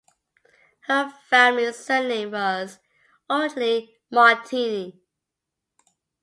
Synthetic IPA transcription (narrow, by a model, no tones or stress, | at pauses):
həfæmlisɜnẽɪ̃mwʌz | õʊnli | mɑtʰini